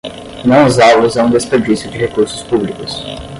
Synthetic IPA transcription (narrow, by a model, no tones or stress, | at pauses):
nɐ̃w̃ʊzawlʊzɛ̃ũd̪espeɾd͡ʒisjʊd͡ʒɪɦekuɾsʊ̥spublikʊs